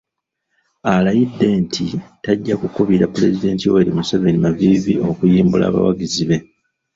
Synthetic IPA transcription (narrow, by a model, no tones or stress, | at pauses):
alajidːe̞ːntʰitaɟːakukuβiɾapːule̞zide̞ːntiweɾimuseve̞nimavivio̞kujiːmbula̰ːβa̰wa̰ɡiziβe̞